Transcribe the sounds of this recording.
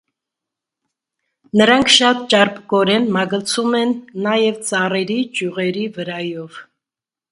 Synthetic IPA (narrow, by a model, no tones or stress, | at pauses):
nəɾɑŋkʰʃɑt̪̚t͡ʃɑɾpɡɔɾɛnmɑɡət͡sʰumɛnːɑjɛvt͡sɑrɛɾid͡ʒjuʁɛɾivəɾɑjɔv